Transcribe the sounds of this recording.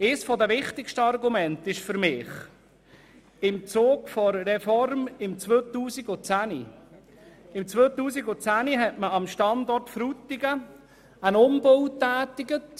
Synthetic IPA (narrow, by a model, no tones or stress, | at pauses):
ɪsfɔd̪əʋɪχtɪkʃtəɑrɡumɛntɪʃfʏɾmɪːχ | ɪmt͡soːɡfɔɾɾɛfɔrmɪmt͡sʋøːt̪uːsiɡʊt͡sæni | ɪmt͡sʋøːt̪uːsiɡʊt͡sæniɦɛtməɑmʃtɑnd̪ɔrtfɾut̪ːɪɡə | ænʊmb̥owtːæːt̪ɪɡət